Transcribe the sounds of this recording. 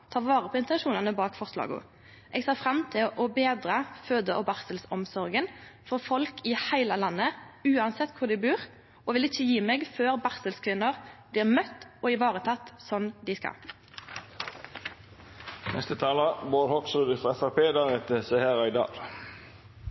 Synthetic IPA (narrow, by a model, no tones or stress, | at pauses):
t̪ʰɑːʁʋɑːʁəpʰɔɪnt̪ɛnʃuːnɑnəbɑːkfɔʁslɑ̰ːɡʊ̰ | ʔɛɡseːfʁɑmt̪ʰɪlʔɔbeːd̪ɾəføːd̪əʔɔbɑʁsəlsɔmsɔʁɡənfɔʁfɔlkʰɪhæɪləlɑnːəʉːɑnsɛt̪ːkʰʊʁd̪æɪbʉːʁ | ɔʋɪlɪçːəjiːmɛɡføːʁbɑʁsəlskʰʋɪnːəʁb̥liːʁmœt̪ːɔɪʋɑːʁət̪ʰɑt̪ːsɔnːd̪ɪskɑ̰ | nɛst̪ət̪ʰɑːlɑboːɾhɔksɔd̪ɪfʁɑɛfæpeːd̪ɑʁɛt̪əsɛheːʁɑɪd̪ɑ̰ːɡ